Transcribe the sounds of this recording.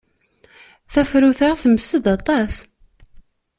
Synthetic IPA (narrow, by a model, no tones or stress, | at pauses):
θæfɾuθaʁθəməsːəd̪ɑt̪ˤɑs